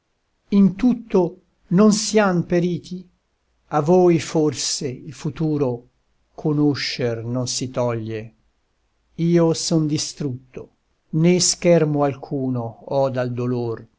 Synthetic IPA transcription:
int̪ut̪ːo | nonsiampeɾiːt̪ʰi | avoːjforseilfut̪uːɾo | kʰonoʃːernonsit̪ɔʎːe | iːosond̪ist̪ɾut̪ːo | neskɛrmoalkʰuːnoɔd̪ald̪olor

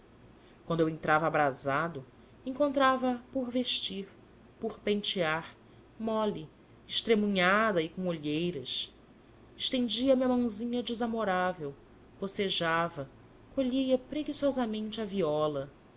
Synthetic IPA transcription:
kwɐ̃nd̪ewẽnt̪ɾavɐːbɾazad̪ʊ | ẽŋkõnt̪ɾavɐpoɾveʃt͡ʃiɾ | poɾpẽnt͡ʃiaɾ | mɔli | ɪʃt̪ɾemũɲad̪ɐikõoʎejɾɐs | ɪʃt̪ẽnd͡ʒiɐmɐmɐ̃w̃zĩɲɐd͡ʒizamoɾavew | poseʒavɐ | koʎijɐpɾeɡisɔzɐmẽnt͡ʃɪɐviɔlɐ

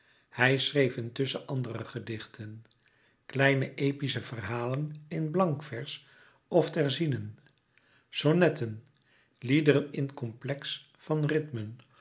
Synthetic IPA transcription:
hɛjsrejvəntɵsəʔɑndərəχədɪχtʰən | klɛjnəʔejpisəv̥ərɦaːlənɪnblɑŋkfɛɹs | ɔftɛɹzinən | sonɛtən | lidəɾənɪntkɔmplɛks | fɑnrɪtmən

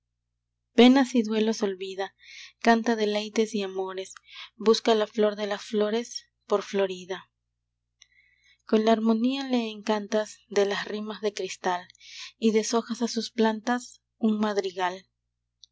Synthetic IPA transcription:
pe̞nasiðwe̞lo̞so̞lβiða | kant̪aðe̞le̞jt̪e̞siamo̞ɾe̞sbuskalaflo̞ɾðe̞lasflo̞ɾe̞s | po̞ɾflo̞ɾiða | ko̞nlaːɾmo̞niale̞ːŋkant̪asd̪e̞lasrimazðe̞kɾist̪aliðe̞so̞xasasusplant̪as | uŋmaðɾiɣal

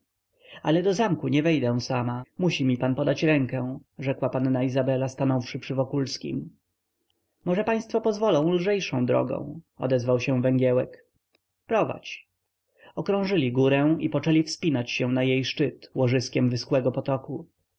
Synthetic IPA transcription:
alɛd̪ɔzamkuɲɛvɛjd̪ɛ̃w̃samamuɕimʲipanpɔd̪at͡ɕɾɛŋkɛ̃ʐɛkwapanːaizabɛlast̪anɔfʂɘpʂɘvɔkulskʲḭm | mɔʐɛpaj̃st̪fɔpɔzvɔlɔ̃w̃lʐɛjʂɔ̃w̃d̪ɾɔ̰ɡɔ̰̃w̃ɔ̰d̪ɛzvawɕɛ̃vɛŋɡʲɛwɛk | pɾɔva̰t͡ɕ | ɔkɾɔ̃w̃ʐɘlʲiɡuɾɛw̃ipɔt͡ʂɛlʲifspʲinat͡ɕɕɛw̃najejʂt͡ʂɘt̪wɔʐɘskʲɛmvɘskwɛɡɔpɔt̪ɔku

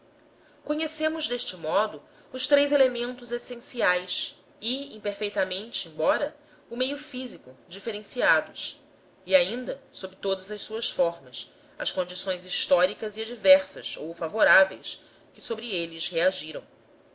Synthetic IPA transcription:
koɲesẽmʊzd̪eʃt͡ʃɪmɔd̪ʊ | ʊʃt̪ɾejzelemẽnt̪ʊzesẽsiajs | ɪĩpeɾfejt̪amẽnt͡ʃɪẽbɔɾɐ | ʊmejʊfizikʊd͡ʒifeɾẽsiad̪ʊs | iaĩnd̪ɐsobɾɪt̪od̪ɐzɐʃsuɐsfɔɾmɐs | ɐskõnd͡ʒisõj̃ziʃt̪ɔɾikɐziad͡ʒivɛɾsɐ̰sowfavoɾavḛjs | kɪsobɾielɪzheaʒiɾɐ̰̃w̃

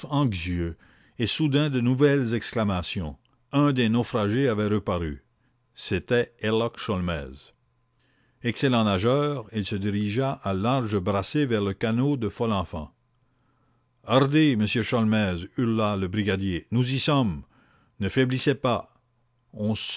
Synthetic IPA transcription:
ɑ̃ɡzjø | esud̪ɛ̃d̪ənuvɛlzɛksklamasjɔ̃ | ɛ̃d̪enofʁaʒeavɛʁəpaʁy̰ | set̪ɛɛlɔkʃɔlmɛ̰ːz | ɛkselɑ̃naʒœːʁilsəd̪iʁiʒaʔalaʁʒəbʁasevɛʁləkanod̪əfɔlɑ̃fɑ̰̃ | aʁd̪eməsjøʃɔlmɛzyʁlaləbʁiɡad̪jenuzisɔm | nəfɛblisɛpa | ɔ̃

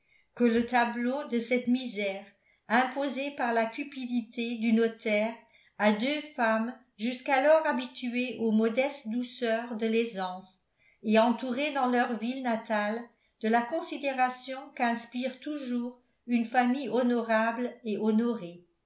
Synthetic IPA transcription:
kələt̪ablod̪əsɛt̪mizɛːʁ | ɛ̃pozepaʁlakʲypid̪it̪ed̪ynɔt̪ɛːʁ | ad̪øfam | ʒyskalɔʁabit̪yeʔomɔd̪ɛst̪d̪usœːʁd̪əlezɑ̃s | ɛɑ̃t̪uʁed̪ɑ̃lœʁvilnat̪al | d̪̥əlakɔ̃sid̪eʁasjɔ̃kɛ̃spiʁt̪uʒuːʁ | ynfamijɔnɔʁableʔɔnɔʁe

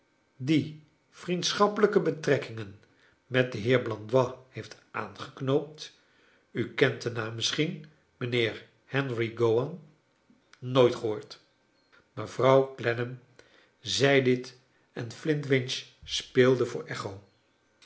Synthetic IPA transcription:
di | v̥rintsχɑpələkəbətrɛkɪŋən | mɛt̚dəɦɪːɹblɑndwɑhejftʔa̰ːnχəknowp̚t | ykɛntənaːmːɪsχin | mənɪːɹ | hɛnriɡowɑn | noːjtχəɦʊːɹt | məv̥rɑwklɛnəm | zɛjdɪt | ɛnflɪntʋɪnt͡ʃspeːlˠdəvʊ̰ːɹʔɛχow

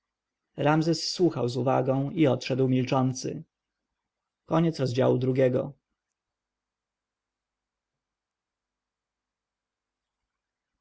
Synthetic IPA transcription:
ɾamzɛsːwuxawzuva̰ɡɔ̃w̃iɔtʂɛd̪wmʲilt͡ʂɔnt̪sɘ̰ | kɔɲɛt̪sɾɔzd͡ʑa̰wud̪ɾuɡʲjɛɡɔ̰

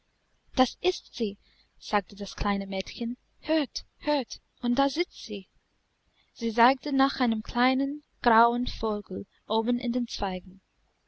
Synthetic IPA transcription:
d̥asɪstz̥iː | z̥aːk̚tədaskʰl̥aɪnəmɛːtçən | høːɐt | høːɐt | ʊnt̚d̥aːzɪt͡stz̥iː | z̥iːzaɪk̚tənaːχaɪnəmkʰl̥aɪnənɡ̥ʁaʊənfoːɡl̩ | ʔoːbn̩ɪ̰ndeːnt͡sv̥aɪɡŋ̩

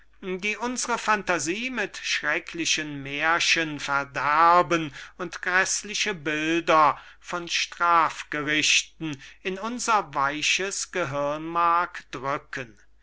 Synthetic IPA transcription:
diːʔʊnzəʁəfantaziːmɪtʃʁ̥ɛkʰlɪʃənmeɐʃənfɛɐdæɐbənʊntɡ̥ʁɛslɪʃəbɪldɐ | fɔnʃtʁ̥aːfɡ̥əʁɪʃtn̩ɪnʊnzɐvaɪʃəsɡ̥əɦɪɐnmaɐkd̥ʁʏkʰən

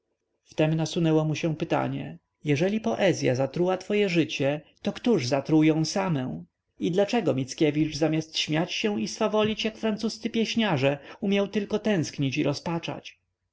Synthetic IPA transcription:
ft̪ɛmnasunɛwɔmuɕɛ̃pɘt̪a̰ɲɛ̰ | jɛʐɛlʲipɔʔɛzʲja̰zat̪ɾuwat̪fɔjɛʐɘt͡ɕɛt̪ɔkt̪uʐzat̪ɾujɔ̃w̃samɛ̃ | id̪lat͡ʂɛɡɔmʲit̪skʲɛvʲiʐzamʲjast̪ɕmʲjat͡ɕɕɛw̃isfavɔlʲit͡ɕjakfɾansust̪sɘpʲjɛɕɲaʐɛumʲjawt̪ɘlkɔt̪ɛ̃w̃skɲit͡ɕiɾɔspat͡ʂa̰t͡ɕ

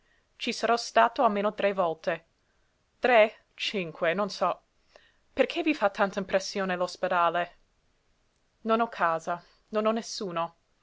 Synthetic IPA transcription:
t͡ʃisɐɾɔst̪aːt̪oalmeːnot̪ɾevɔlt̪e | t̪ɾe | t͡ʃiŋkʰwenonsɔ | perkʰevifat̪ːant̪aĩmpɾesːjoːnelosped̪aːle | nonɔkʰːaːza | nonɔnesːuːno

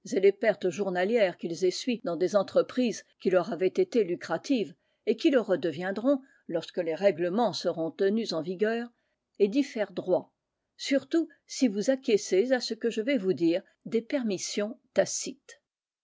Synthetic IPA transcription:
selepɛʁt̪ʒuʁnaljɛʁkʲilzesɥid̪ɑ̃d̪ezɑ̃t̪χəpχizkʲilœʁavɛt̪et̪elykχat̪iv | ekʲiləʁəd̪əvjɛ̃d̪ʁɔ̃ | lɔʁskəleʁɛɡləmɑ̃səʁɔ̃t̪ənyzɑ̃viɡʲœːʁ | ed̪ifɛʁd̪ʁwa | syʁt̪u | sivuzakʲjesezasəkəʒəvɛvud̪iːʁ | d̪epɛʁmisjɔ̃t̪asit̪

